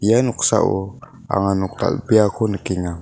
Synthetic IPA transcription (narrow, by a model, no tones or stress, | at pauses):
ijanuksa̰ʔu | a̰ŋanuk̚t̪a̰lbiakʰonəkiŋa